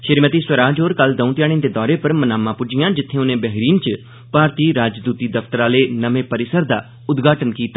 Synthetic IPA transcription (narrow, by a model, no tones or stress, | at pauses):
ʃɪɾmət̪iːswəɾaːd͡ʒoːɾkəld̪ə̃ũt̪jaːɽ̃ĩnd̪eːd̪ɔːɾeːpəɾmənaːmãːpʊd͡ʒɪjãːd͡ʒɪt̪ʰːẽːʊnẽːbɛɦɾiːnt͡ʃ | paːɾt̪iːɾaːd͡ʒd̪uːt̪iːd̪əft̪əɾaːleːnəʋẽːpəɾɪsəɾd̪aː | ʊd̪ɡaːʈənkiːt̪aː